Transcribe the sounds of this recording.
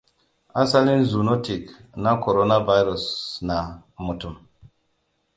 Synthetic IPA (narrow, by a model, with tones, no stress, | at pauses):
a˦sa˦li˦nzu˨no˦ti˨kna˦ko˨ɾo˦na˦va˦jɾu˨sna˨mu˨tu˨m